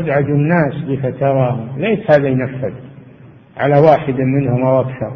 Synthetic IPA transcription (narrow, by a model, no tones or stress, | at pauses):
bʕad̪unːaːsbɪfat̪ɑɾˤɑːhʊmleːʃhaːðajnafːad̪ | ʕa̰lawaːħɪd̪mɪnhʊmʔawakʃɑɾˤ